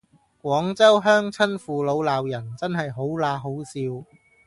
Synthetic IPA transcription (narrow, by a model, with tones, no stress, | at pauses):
kʷɔː˨˥ŋt͡sɐ˥wɦœː˥ŋt͡sʰɐ˥nfuː˨˧lo˨˧wlaː˨wjɐ˨˩nt͡sɐ˥nhɐ˨jɦo˨˥wlaː˧ɦo˨˥wsiː˧w